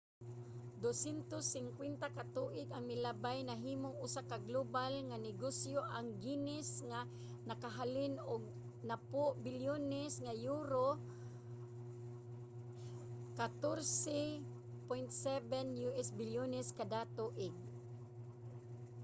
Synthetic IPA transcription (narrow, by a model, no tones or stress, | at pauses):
d̪osɛnt̪osːɪŋkwɛnt̪akat̪uʔɪɡaŋmɪlabajnaɦiːmoŋʊsakaɡlobalŋanɪɡosjoʔaŋɡinɪsŋa | nakaɦalɪnʊɡ̚ | napʊʔbɪljonɛsŋajuːɾo | kat̪oɾsɛ | pojnt̪sɛbɛnjuɛsbɪljonɛskad̪at̪uʔɪɡ̚